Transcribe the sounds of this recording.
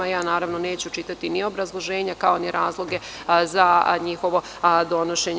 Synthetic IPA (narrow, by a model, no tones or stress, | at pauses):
ajaːnaːɾaʋnone̞ːt͡ɕut͡ʃit̪at̪inio̞bɾazlˠo̞ʒe̞ːɲakao̞niɾaːzlˠo̞ɡe̞ | zaɲixo̞ʋo̞ | d̪o̞noʃe̞ɲ